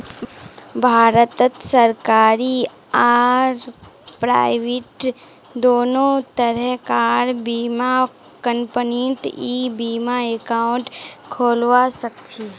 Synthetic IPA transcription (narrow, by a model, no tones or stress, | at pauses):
bʱaːɾət̪ət̪səɾkaːɾi | aːɾpɾa̰ːɪʋeʈ | d̪oːnõt̪əɾɛɦkaːɾbiːma | kəmpənit̪ibiːmaekaʊɳʈkʰoːlʋasək̚t͡ʃʰi